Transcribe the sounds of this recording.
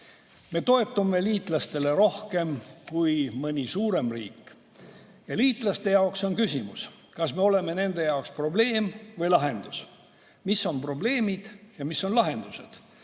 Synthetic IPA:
me̞t̪o̞e̞t̪ːˑumːe̞liːt̪ˑlɑst̪e̞le̞ɾo̞hke̞mkujmɤnʲisuːɾe̞mrḭːkːˑ | jɑliːt̪ˑlɑst̪e̞jɑokso̞nkysʲimus | kɑsme̞o̞le̞me̞ne̞nd̪̥e̞jɑokspro̞ble̞ːmvɤjlɑɦe̞nd̪̥us | misːo̞npro̞ble̞ːmid̪̥jɑmisːo̞nlɑɦe̞nd̪̥use̞̰d̪̥

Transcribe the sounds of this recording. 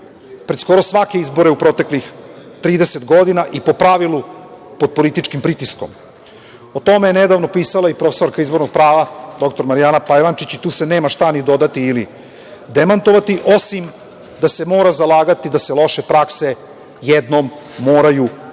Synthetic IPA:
pɾet̪sko̞ɾosʋake̞izbo̞ɾeupɾo̞t̪e̞klix | t̪ɾiːd̪eset̪ɡo̞d̪inaʔipo̞pɾaʋilupo̞d̪̚po̞lit̪it͡ʃkimpɾit̪isko̞̰m | ot̪o̞me̞jene̞d̪aʋno̞piːsalˠaipɾofeso̞ɾkaizbo̞ɾnoɡ̚pɾaːʋad̪o̞kt̪o̞ɾmaɾijaːnapajʋant͡ʃit͡ɕit̪uːse̞ne̞ːmaʃt̪anid̪o̞d̪at̪iːli | d̪emant̪o̞ʋat̪iʔo̞sim | d̪ase̞mo̞ːɾazalˠaːɡat̪id̪aselo̞ʃepɾakse̞ | jed̪no̞mː | o̞ːɾaju

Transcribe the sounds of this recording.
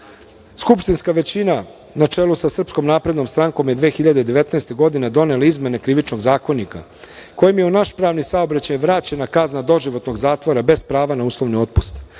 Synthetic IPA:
skupʃt̪inskaʋe̞t͡ɕina | nat͡ʂe̞lˠusasr̩psko̞mnaːpɾe̞d̪no̞mst̪ɾaŋko̞mjed̪ʋeːxiʎad̪ed̪eʋe̞t̪naest̪e̞ɡo̞d̪ine̞d̪o̞ne̞laizme̞ne̞kɾiʋit͡ʃno̞ɡzaːko̞nika̰ | ko̞jimjeunaʃpɾaːʋnisaobɾat͡ɕajʋɾaːt͡ɕenakaznad̪o̞ʒiʋo̞t̪no̞ɡzaːt̪ʋo̞ɾabe̞spɾaːʋanauːslˠo̞ʋnio̞t̪̚pust̪

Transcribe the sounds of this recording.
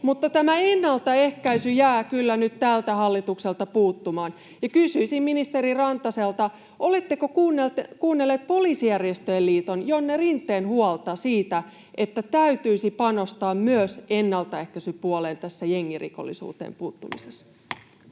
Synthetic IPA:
mut̪ːɑt̪æmæenːɑlt̪ɑehkæisyjæːkylːænyt̪t̪ælt̪æhɑlːit̪ukselt̪ɑpuːt̪ːumɑːn | jɑkysyisimminist̪eɾirɑnt̪ɑselt̪ɑ | ʔolet̪ːekokuːnːelt̪kuːnːelːeːt̪̚poliːsijærjest̪øjelliːt̪onjonːerint̪ːˑeːnhuɑlt̪ɑsiːt̪æ | ʔet̪ːæt̪æyt̪yisipɑno̞st̪ɑːmmyøsenːɑlt̪ɑehkæsypuoleːnt̪æsːæjeŋːirḭko̰lːḭsṵːt̪ḛːmpuːt̪ːumḭsesː

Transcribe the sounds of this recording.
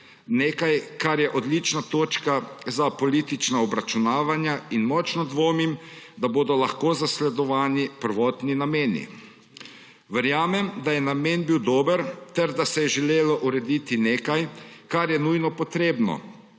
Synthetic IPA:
neːkajkaɾjɛʔɔd̪lit͡ʃnat̪oːt͡ʃkazapɔliːt̪it͡ʃnaɔbɾat͡ʃunaːʋanjainmɔt͡ʃnɔd̪ʋoːmimd̪aboːd̪ɔlaxkoːzaslɛd̪ɔʋaːnipəɾʋɔːt̪ninameːnḭ | ʋɛɾjaːmɛmd̪ajɛnameːnbiwd̪oːbəɾt̪ɛɾd̪asɛjɛʒɛleːlɔʔuɾɛd̪it̪ineːkajkaɾjɛnujnɔpɔt̪ɾeːbnɔ̰

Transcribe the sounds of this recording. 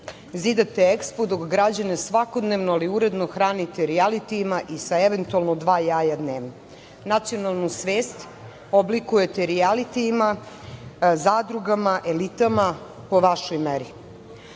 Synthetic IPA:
zid̪at̪eekspod̪okɡɾad͡ʑane̞sʋako̞d̪neʋnoaliuɾe̞d̪noxɾaːnit̪eɾialit̪iːmaʔisaeʋent̪ualˠnod̪ʋaːjaːjad̪neːʋno | nat̪sijo̞nalˠnusʋeːst̪ | oblikujet̪eɾialit̪iːma | zaːd̪ɾuɡamaʔelit̪ama | po̞ʋaʃojmeɾi

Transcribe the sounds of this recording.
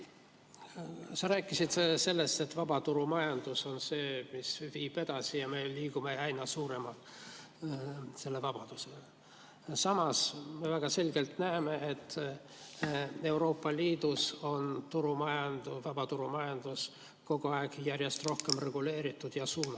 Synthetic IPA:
sɑɾæːkːˑisit̪se̞lːe̞st̪e̞t̪vɑb̥ɑt̪uɾumɑjɑnd̪̥uso̞nse̞ːmisviːb̥e̞d̪ɑsijɑme̞liːɡume̞ɑjnɑsuːɾe̞mɑ | se̞lːe̞vɑb̥ɑd̪̥usele | sɑmɑsme̞væɡ̥ɑse̞lʲɡe̞lt̪næːme̞ʔet̪ː | e̞wɾo̞ːpːˑɑliːd̪uso̞nt̪uɾumɑjɑnd̪̥uvɑb̥ɑt̪uɾumɑjɑnd̪̥us | ko̞ɡ̥oɑeɡ̥jærje̞st̪ro̞hke̞mre̞ɡ̥ule̞ːɾit̪ːˑud̪̥jɑsuːnɑ

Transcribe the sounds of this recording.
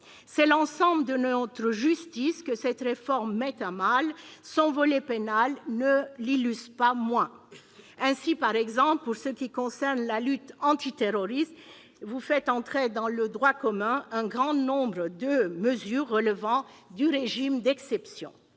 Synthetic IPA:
sɛlɑ̃sɑ̃bləd̪ənɔt̪χəʒyst̪iskəsɛt̪ʁefɔʁmːɛt̪ãmalsɔ̃vɔlɛpenalnəlilyspamwɛ̃ | ɛ̃sipaʁɛɡzɑ̃plpuʁsəkʲikɔ̃sɛʁnlalyt̪ɑ̃t̪it̪eʁɔʁist̪ | vufɛt̪ɑ̃t̪χed̪ɑ̃ləd̪ʁwakɔmɛ̃ɛ̃ɡʁɑ̃nɔ̃bʁəd̪əməzyːʁːələvɑ̃d̪yʁeʒimd̪ɛksɛpsjɔ̰̃

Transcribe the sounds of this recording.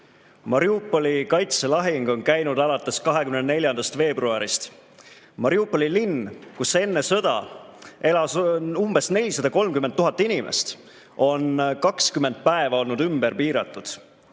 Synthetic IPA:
mɑɾiupːˑolikɑjt̪se̞lɑɦiŋɡ̥o̞nkæjnud̪ɑlɑt̪ːˑe̞skɑɦekymnene̞lʲjɑnd̪ɑst̪fe̞ːbruɑɾist̪ | mɑɾiupːolilinkuse̞nːe̞sɤ̞d̪̥ɑ̰e̞lɑsumb̥e̞sne̞lʲːisɑd̪ɑko̞lmkymːent̪ːuɦɑt̪ːˑinʲimʔḛst̪ | o̞nkɑkskymend̪̥̚pæevɑo̞lnud̪ymberpiːɾɑt̪ˑːud̪̥

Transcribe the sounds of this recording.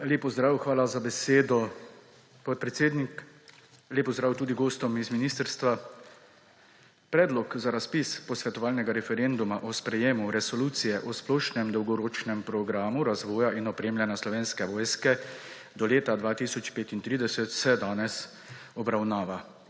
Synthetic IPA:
leːpɔzd̪ɾaːwxʋaːlazabɛseːd̪ɔ | pɔt̪̚pɾɛt̪seːd̪nik | leːpɔzd̪ɾaːwt̪uːd̪iɡoːst̪ɔmizminiːst̪əɾst̪ʋa | pɾɛːd̪lɔkzaɾaspispɔsʋɛt̪ɔʋaːlnɛɡaɾɛfɛɾend̪umaʔɔspɾɛjeːmuɾɛsɔluːt̪sijɛʔɔsplɔʃnɛmd̪ɔwɡɔɾoːt͡ʃnɛmpɾɔɡɾaːmuɾazʋɔːjaʔinɔpɾeːmljɛnjaslɔʋeːnskɛʋɔːjskɛ | d̪ɔleːt̪ad̪ʋaːt̪isɔt͡ʃpeːt̪int̪ɾiːd̪ɛsɛt̪sɛd̪aːnɛs | ɔbɾawnaːʋa

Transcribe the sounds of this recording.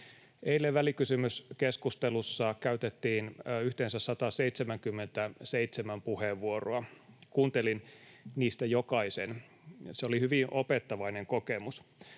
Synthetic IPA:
eilːeʋʋælikysymyskeskust̪elusːɑkæyt̪et̪ːiːnyht̪ensæssɑt̪ɑseit̪semæŋkymːent̪æseit̪semæmpuheːʋːuoroɑkuːnt̪elin | niːst̪æjokɑisen | seolihyʋinʔopet̪ːɑʋɑineŋkokemus

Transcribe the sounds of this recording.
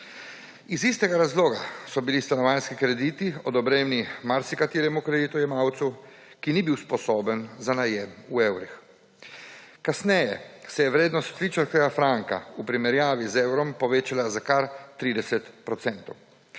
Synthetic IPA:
izist̪ɛɡaɾazloːɡasɔbilist̪anɔʋaːnskikɾɛd̪iːt̪iɔd̪ɔbɾeːmnimaɾsikat̪iːɾɛmukɾɛd̪iːt̪ujɛmawt̪su | kinibiwspɔsoːbənzanajɛmuewɾix | kasnɛjɛ̰sɛjɛʋɾeːd̪nɔst̪ʋit͡ʃaɾkɛɡafɾaŋka̰upɾimɛɾjaːʋizewɾɔmpɔʋeːt͡ʃalazakaɾt̪ɾiːd̪ɛsɛt̪pɾɔt̪sɛnt̪ɔw

